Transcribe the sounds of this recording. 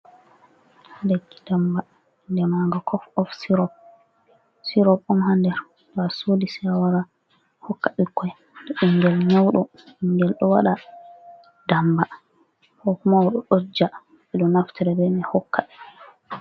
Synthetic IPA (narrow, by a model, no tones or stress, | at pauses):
deɡːi̥d̥amba | ndɛmaŋɡakʰɔfɔfsiɾɔp̚ | siɾɔpɔmhandɛɾ | basoːdisɛwaɾa | hɔkːaɗikʰːɔj | ndɛʔiŋɡɛlɲawɗɔ | iŋɡɛlɗɔwaɗa | damba | hɔkmawɗɔɗod͡ʒːa | ɓɛɗɔnaftʰɛɾɛbɛmɛhɔkːa